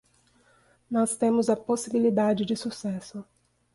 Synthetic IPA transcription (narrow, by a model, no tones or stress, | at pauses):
nɔst̪ẽmʊzɐposibilid̪ad͡ʒɪd͡ʒɪsusɛsʊ